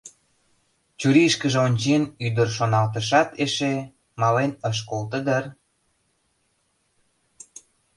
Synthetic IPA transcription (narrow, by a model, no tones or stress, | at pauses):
t͡ɕuɾiʃkəʒeonʲt͡ɕenyd̪ərʃonɑlt̪əʃɑt̪eʃe | mɑlenəʃ̬kolt̪əd̪ər